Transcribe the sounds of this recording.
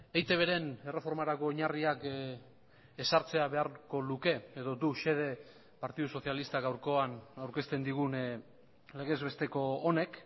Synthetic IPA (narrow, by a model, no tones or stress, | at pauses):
ejt̪e̞β̞e̞ɾe̞ne̞refo̞ɾmaɾako̞ɲariak | esaɾt͡se̞aβe̞aɾko̞luke̞eðo̞d̪uʃe̞ð̞e̞ | paɾt̪iðuso̞θialist̪aɣawɾko̞anawɾke̞st̪e̞nd̪iɣ̞un | le̞ɣ̞e̞zβe̞st̪e̞ko̞ːne̞k